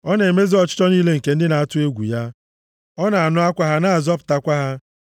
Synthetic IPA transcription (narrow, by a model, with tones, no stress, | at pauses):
ɔ˦ne˨me˦zi˦ɔ˦t͡ʃɪ̥˦tɔ˦niː˦le˦ŋ̩˨ke˨n̩˦dɪ˦na˨a˦tʊ˦e˦ɡʷṵ˨ja˦ | ɔ˦na˨a˨nʊ˦a˦kʷa˦ɦa˦na˦˨a˨zɔ˦pʊ̥˨ta˦kʷa˦ɦa˦